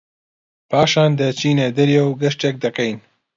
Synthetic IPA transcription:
paːʃaːnd̪ɐt͡ʃiːned̪ɐɾjɛwɡɐʃtɛk̚d̪ɐqejn

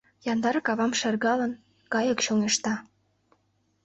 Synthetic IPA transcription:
jɑnd̪ɑɾɤkɑβɑmʃerɣɑlən | kɑjə̆kɕoŋeʃt̪ɑ

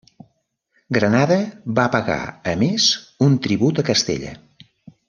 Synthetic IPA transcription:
ɡɾənaðəβapəɣa̰əmezunt̪ɾiβut̪əkəst̪ḛʎə̰

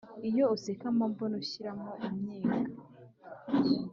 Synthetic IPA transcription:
ijousekamambonoɕiɾamoʔumɲiːɡa

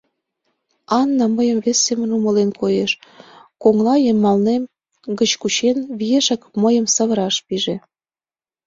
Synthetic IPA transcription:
ɑnːɑməjəmβesːemənuməlenkojeʃkoŋlɑjəmːɑlnem | ɡə̆t͡ɕkut͡ɕenβijeʃɑkməjə̆msəβə̆ɾɑʃpiʒe

